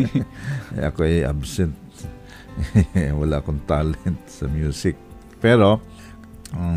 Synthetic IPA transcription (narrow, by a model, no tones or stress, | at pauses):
a̰koea̰bsɛnt̪̚ | walaakɔnt̪alɛnt̪̚sa̰mjusɪk̚ | pɛɾo